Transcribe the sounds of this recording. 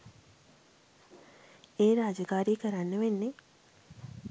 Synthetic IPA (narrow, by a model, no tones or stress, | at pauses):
eːɾaːd͡ʒəkaːɾiːkəɾanːəʋenːe